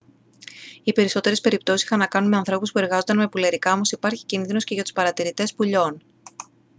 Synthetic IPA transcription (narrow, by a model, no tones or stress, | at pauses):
ipe̞ɾiso̞t̪e̞ɾespe̞ɾip̚t̪o̞sisi̥xɐnːɐkɐnunmeɐnθɾo̞puspue̞ɾɣɐzo̞nd̪ɐnme̞puleɾikɐomo̞sipɐɾçi̥cinðino̞sce̞ʝɐt̪u̥spɐɾɐt̪iɾit̪e̞spuʎo̞n